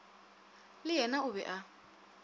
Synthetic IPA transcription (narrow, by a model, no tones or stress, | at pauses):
lɪɦɛnaʊβɛ̰ʔa